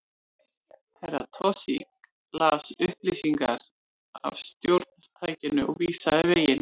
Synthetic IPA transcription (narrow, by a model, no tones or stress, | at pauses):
hʰɛɾa̰t̪ʰɔsḭk̚ | laːsʏhplisiŋkaɾ | a̰vst̪jowɾt̪̚nast̪ʰaːjcɪnʏʔɔ̰ɣviːsaðɪveːjɪn